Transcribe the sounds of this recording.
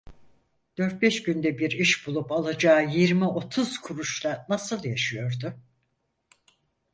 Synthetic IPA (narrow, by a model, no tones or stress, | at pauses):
d̪̥ø̞ɾt̪̚bɛʃɟynd̪ɛbiɾiʃbulˠupalˠad͡ʒaːjiɾmiʔo̞t̪ʰuz̥kʰuɾuʃlˠanasɯlˠjaʃɯjo̞ɾd̪ʊ